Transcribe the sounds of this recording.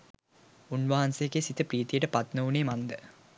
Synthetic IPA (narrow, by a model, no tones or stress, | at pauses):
unʋɐɦansekesit̪əpriːt̪ijəʈəpat̪nəuneːmand̪ə